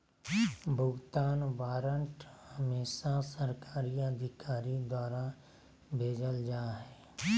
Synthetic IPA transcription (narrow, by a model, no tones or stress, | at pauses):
bʱʊɡt̪aːnʋaːɾəɳʈhəmeːʃasəɾkaːɾiəd̪ʱɪkaːɾid̪waːɾa | bʱeːd͡ʒəld͡ʒaːɦɛː